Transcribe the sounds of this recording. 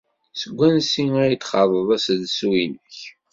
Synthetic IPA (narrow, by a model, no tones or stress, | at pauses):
səɡʷːænsiæjit̪ːχɑðˤəðˤæsðswinəç